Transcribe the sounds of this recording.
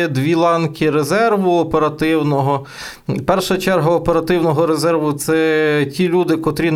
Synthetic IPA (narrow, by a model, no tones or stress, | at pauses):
ɛd̪ʋʲilˠɑnkʲɪɾezɛrʋʊɔpeɾɐt̪ɪwnɔɦɔ | pɛrʃɐɐt͡ʃɛrɦɐːpeɾɐt̪ɪwnɔɦɔɾezɛrʋʊt̪sɛtʲilʲud̪ɪkɔt̪ɾʲin